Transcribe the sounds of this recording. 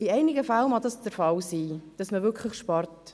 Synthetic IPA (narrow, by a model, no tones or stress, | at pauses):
ɪɛɪnɪɡəfalmɑd̪ɑsd̥əɾfɑlsiːd̥ɑsməvʏɾkʰləχʃpɑɾt